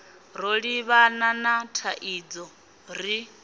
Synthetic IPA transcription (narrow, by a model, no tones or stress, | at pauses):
ɾoɺiβananatʰaʔid͡zɔ | ɾi